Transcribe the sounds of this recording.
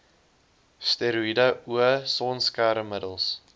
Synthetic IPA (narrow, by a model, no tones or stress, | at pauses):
steɾuidəuəsɔnskæɾəmədəlˠs